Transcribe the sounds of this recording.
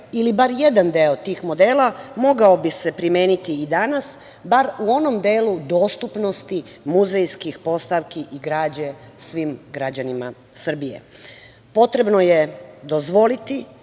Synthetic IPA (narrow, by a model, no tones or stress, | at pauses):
ilibaɾje̞d̪and̪eot̪iːxmo̞d̪eːlamo̞ɡao̞bise̞pɾimjeːnit̪iːd̪anas | baɾuo̞no̞md̪eːlud̪o̞ːst̪upno̞st̪i | muzejskixpo̞st̪aʋkiʔiɡɾaːd͡ʑe̞sʋiːmɡɾad͡ʑanima̰ | sr̩bijḛ | po̞t̪ɾe̞bno̞je̞d̪o̞zʋo̞lit̪i